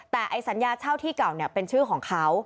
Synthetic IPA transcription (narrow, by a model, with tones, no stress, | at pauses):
t̪ɛː˨˩ʔa˧jsa˩˦njaː˧t͡ɕʰaː˥˩wt̪ʰiː˥˩ka˨˩wni˥˩ɐpe˧nt͡ɕʰɯː˥˩kʰɔː˩˦ŋkʰa˦˥w